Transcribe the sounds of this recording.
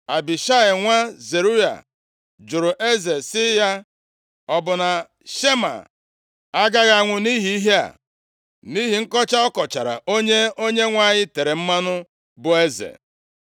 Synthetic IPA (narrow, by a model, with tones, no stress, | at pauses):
a˨bi˨ʃa˦ɪ˨ŋʷa˦ze˨ɾu˦ja̰˨ | d͡ʒʊ˨ɾʊ˨ʔe˦ze˨sɪ˦ja˦ | ɔ˨bʊ˨na˨ | ʃe˦ma̰˨ | a˦ɡa˦ɣa˨ŋʷʊ˨ni˦ɦi˦i˦ɦe˦a̰˨ | ni˦ɦi˨ŋ̩˦kɔ˦t͡ʃa˦ɔ˦kɔ˨t͡ʃa˨ɾa̰˨ʔo˦ɲe˦o˦ɲe˦ŋʷa˦˨ɲɪ˦te˨ɾe˨m̩˦ma˦nʊ˦ | bʊ˨e˦zḛ˨